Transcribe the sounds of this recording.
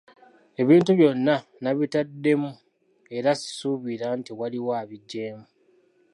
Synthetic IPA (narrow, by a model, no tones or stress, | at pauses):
e̞βiːntuβjo̞nːanaβitadːe̞mu | e̞ɾasi̥suβiɾantiwaliwaːβiɟːe̞ːmu